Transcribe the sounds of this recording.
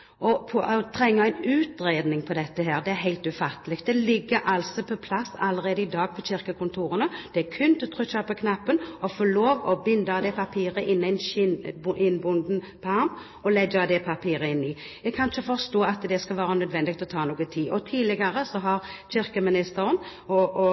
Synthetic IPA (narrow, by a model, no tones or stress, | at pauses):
ʔɔpʰɔʔɔt̪ʰɾɛŋːəæɪnʉːt̪ɾeːd̪nɪŋpʰɔd̪ɛt̪ːəɦeːʁd̪ɛæɾɦæɪlt̪ʉfɑt̪ːəlɪk̚t̪d̪ɛlɪɡːəʔɑlsɔpʰɔpʰlɑsːɑləʁeːd̪əɪd̪ɑːɡ̚pʰɔɕɪʁkəkʊnt̪ʰuːɾənəd̪̥ɛkʰʉnt̪ət̪ʰʁʉçɑpəkʰnɑpːənɔfoːloːʋɔbɪnd̪əɑd̪ɛpʰɑpʰiːʁəʔɪnːæɪn | ɪnbʊnd̪n̩ | pʰɔɑʁm | ɔlɛɡːəɑd̪ɛpʰɑpʰiːɾəɪnːɪ | jæɡkʰɑnɪçəfɔʁst̪oːɑt̪d̪ɛskɑlʋɑːɾənœd̪ʋɛnd̪ɪɡt̪lɔt̪ʰɑːnuːɡənt̪ʰiːʔɔt̪ʰiːlɪɡəɾəsɔɦɑʁɕɪʁkəmɪnɪst̪əɾən | ɔɔ